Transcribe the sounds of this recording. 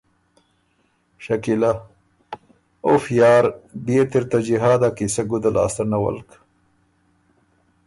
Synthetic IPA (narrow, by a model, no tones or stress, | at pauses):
ʃakila | ofjɑːɾbet̪iɾt̪ad͡ʒiɦɑːd̪akisaɡud̪ala̰ːst̪anawɐ̰lk